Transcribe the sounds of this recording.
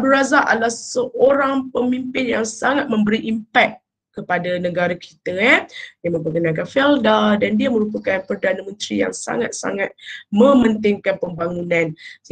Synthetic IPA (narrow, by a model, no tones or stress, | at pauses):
bduɾazaʔa̰lahsəʔoɾaŋpəmimpɪnjaŋsaŋat̪̚mə̃mbəɾiʔimpɛt̪̚ | kəpadanə̃ɡaɾakʰi̥t̪ədiamə̃mpəkənãkanfɛldadandiaməɾupakanpərdanamə̃nt̪ɾija̰ŋsa̰ŋat̪̚sa̰ŋat̪̚mə̃mənt̪ɪŋkanpəmbaŋunãn